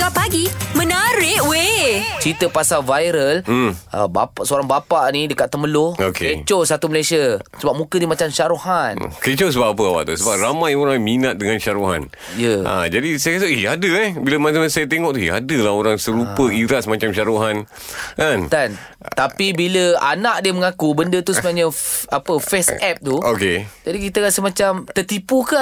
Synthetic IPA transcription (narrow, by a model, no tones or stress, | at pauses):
ɡapaɡimə̃naɾɪʔwet͡ʃɾit̪əpasavajɾəl̩məbapaʔsəoɾaŋbapaʔnidəkat̪ːəməlookʰeet͡ʃosat̪uməlasiasəbap̚mũkənimat͡ʃamʃaɾohan̰ket͡ʃosəbapap̬əawa̰ʔt̪usəbap̚ramãjoɾaŋminat̪̚dəŋanʃaɾoɦa̰n | jəa̰d͡ʒadisajəkas̬əiadəɛbiləmaamasajət̪eŋɔʔt̪uia̰dəlaɦoɾaŋsəɾupəiɾasmat͡ʃamʃaɾoɦan | kant̪an | t̪apibiləa̰naʔ̚diəməŋakubəndət̪usəmaʔɲə̃apəfɛsɛp̚t̪uoked͡ʒadikit̪əɾasəhmat͡ʃamt̪ət̪ipuka